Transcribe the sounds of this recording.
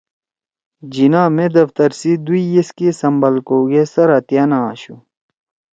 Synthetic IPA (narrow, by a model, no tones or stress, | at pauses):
d͡ʑinaːmẽd̪ɐft̪ɐɾsid̪uijeskisɐmbɐlkoːɡesɐɾɐt̪jaːnãaɕu